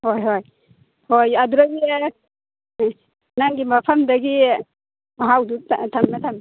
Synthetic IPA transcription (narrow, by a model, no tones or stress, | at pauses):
hojɦoj | hojaduɾaɡi | naŋɡimapʰamdaɡi | aɦawdutʰamnatʰam